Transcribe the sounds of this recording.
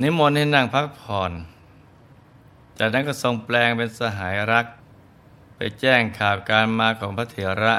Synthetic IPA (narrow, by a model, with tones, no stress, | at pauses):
ni˦˥mo˧ntiː˥˩na˥˩ŋpʰa˦˥k̚pʰɔː˨˩n | t͡ɕaː˨˩k̚na˦˥nkɔː˥˩so˧ŋplɛː˧ŋpe˧nsa˧ɦaː˩˦jɾa˦˥k̚ | pa̰˧jt͡ɕɛː˥˩ŋkʰaː˨˩p̚kaː˧nmaː˧kʰɔː˩˦ŋpʰa˦˥t̪ʰeː˩˦ɾa˦˥